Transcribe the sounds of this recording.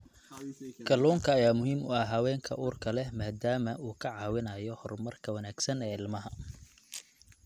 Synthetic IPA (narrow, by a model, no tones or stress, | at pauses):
ɡʰɐlɔːŋkʰɐːjaːmʊɦiːmʊ̰ɐɦɐwɛːŋkʰɐ̰ʔuːrkʰɐlɛhmaːd̪aːmɐʔuːkʰɐʕɑːwɪnɐjɔhɔrmɐrkʰɐwɐnaːɡsɐnɛːɪlmɐɦɐ